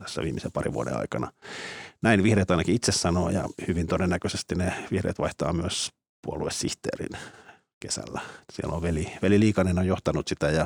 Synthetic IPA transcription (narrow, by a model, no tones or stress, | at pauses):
t̪æsːæ̰ʋiːmːisepɑrḭʋṵodḛɑ̰ikɑnɑnæinʋihreːt̪ɑinɑkiit̪sessɑnoːjɑ̰hyʋint̪odenːækøsest̪ineʋihrḛːt̪ʋɑiht̪ɑ̰ːmyøs | puoluessiht̪ḛːrḭn | kesæ̰lːæsiḛlːo̰ʋʋeliʋeliliːkɑnenojjoht̪ɑnut̪sit̪æjɑ